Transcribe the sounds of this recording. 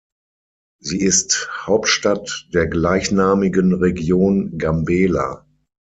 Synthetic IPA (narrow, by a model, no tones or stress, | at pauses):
ziːɪsthaʊp̚tʃtatd̥eːɐɡlaɪçnaːmɪɡənʁeɡjoːnɡambɛːla̰